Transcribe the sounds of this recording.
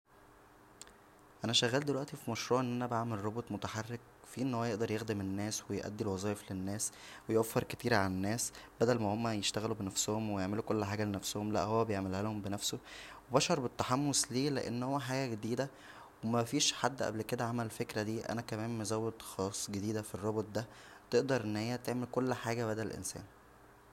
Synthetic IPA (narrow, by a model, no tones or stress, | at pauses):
ʔænæʃæɣæːld̪elwæʔt̪ifimɑʃɾuːʕʔenːʔænæbaʕmelrˤobot̪ˤmot̪aħɑrːek̚ | fiːʔenːhowːæjeʔd̪ɑɾˤjexd̪emenːæːswejʔæ̰d̪ːilwɑzˤɑːjeflenːæːswejʔæfːeɾˤket̪iːɾʕalænːæːsb̥æd̪ælmæhomːæjeʃt̪æɣælubenæfsohomwejeʕmelukolːħaːɡælenæfsohomlæ̰ʔhowːæbejeʕmelhælhombenæfsowebæʃɑɾˤbet̪ːaħɑmːosliːlḛʔḛnːhowːæħaːɡæɡed̪iːd̪æ | wemæfiːʃħad̪ːʔæ̰blked̪æʕamælefekɾæd̪iːʔæ̰nækæmæːmmezæwːed̪xɑːsˤːɡed̪iːd̪æfirˤːɑbot̪̚ˤd̪æt̪eʔd̪ɑɾˤʔenːhejːæt̪eʕmelkolːħaːɡæbæd̪ælʔḛnsæ̰ːn